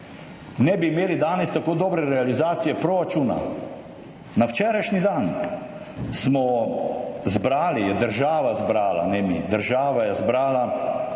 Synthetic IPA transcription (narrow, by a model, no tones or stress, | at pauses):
nɛbiːmeːlid̪aːnɛst̪akoːd̪ɔːbɾɛɾɛalizaːt̪sijɛpɾoːɾat͡ʃuːna̰ | nawt͡ʃɛːɾajʃnid̪an | smɔ | zbɾaːlijɛd̪əɾʒaːʋazbɾaːla̰nɛmḭd̪əɾʒaːʋajɛzbɾaːla